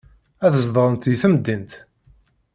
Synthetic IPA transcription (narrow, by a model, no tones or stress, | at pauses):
æθəzðˤəɾˤənt̪jiθəmd̪ːint̪